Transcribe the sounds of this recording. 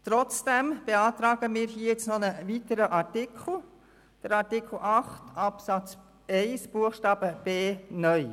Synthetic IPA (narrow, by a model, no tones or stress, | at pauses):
t̪ɾɔt͡sd̥ɛmb̥eɑːtɾɑːɡəmiːɾɦiəjɪt͡snɔnəʋitəɾəʔɑɾtɪkʰl̩ˠ | d̥əɾɑɾtɪkʰl̩ʔɑχtʰɑpsɑt͡s | ɛɪsb̥uəxʃtɑːb̥əb̥eːnœʏ